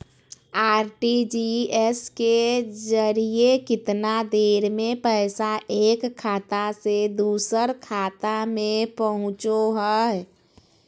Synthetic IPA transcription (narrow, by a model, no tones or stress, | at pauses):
aːɾʈid͡ʒiɛsked͡ʒəɾiekɪt̪nad̪eːɾmẽpəɪsaeːkʰːaːt̪ased̪uːsəɾkʰaːt̪amẽpəɦʊ̃t͡ʃoɦə